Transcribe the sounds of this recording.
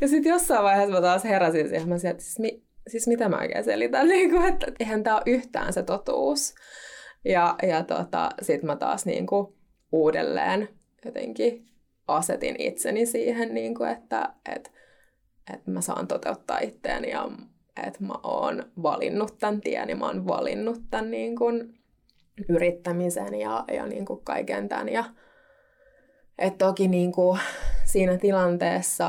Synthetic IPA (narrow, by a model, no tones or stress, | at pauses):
jɑsit̪josːɑiʋʋɑiheːsmæt̪ɑːsheɾɑsinsihmæsilt̪si̥smi | sismit̪æmæ̰o̰ikḛːnsḛlit̪ænniːŋkuet̪ːæeihænt̪æːoʔyht̪æ̰ːnset̪ot̪uːs | jɑjɑt̪ot̪ɑ̰sit̪mæt̪ɑ̰ːsnḭːŋku | uːdelːḛːn | jot̪ḛŋki | ʔɑset̪ḭnḭt̪senisiːhenniːŋkuet̪ːæ̰ʔḛt̪ | et̪mæsɑ̰ːnt̪ot̪eut̪ːɑːit̪ːḛːnijɑ̰ | ḛt̪mæ̰ʔo̰ːnʋɑlḭnːut̪ːænt̪iɛnimo̰ːnʋɑ̰lḭnːut̪ːænniːŋkun | yrit̪ːæmisenjɑjɑ̰nḭːŋkukkɑ̰ikent̪æ̰njɑ | ʔet̪t̪okiniːŋkusiːnæt̪ilɑnt̪eːsːɑ